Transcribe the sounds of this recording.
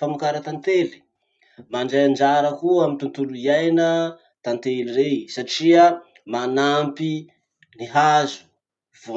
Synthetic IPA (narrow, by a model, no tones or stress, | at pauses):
amikaɾat̪ant̪eli̥ | maɳɖ͡ʐajand͡ʒaɾəkuamit̪unt̪uluiajnə | t̪ant̪eliɾesaʈ͡ʂia | manampi | niɦazu̥ | vo